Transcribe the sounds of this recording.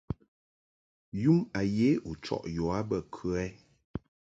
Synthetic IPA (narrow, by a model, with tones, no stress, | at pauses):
ju˦ma˨je˦u˨t͡ʃɔ̰˨ʔjɔ˨a˦bə˦˨kʰʉ˦ɛ˦